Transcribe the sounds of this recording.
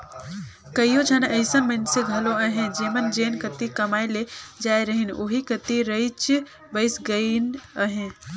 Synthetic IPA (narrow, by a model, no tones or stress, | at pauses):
kəijod͡ʒʰʱənəɪsənməɪnseɡʱɐloəɦẽd͡ʒeːmənd͡ʒeːnkət̪ikəmaːeled͡ʒaːeɾəɦinoɦikət̪iɾəɪt͡ʃ | bəɪsɡənəɦẽ